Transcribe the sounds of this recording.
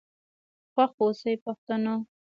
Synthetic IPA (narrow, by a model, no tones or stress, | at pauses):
xwaxosajpaxt̪ano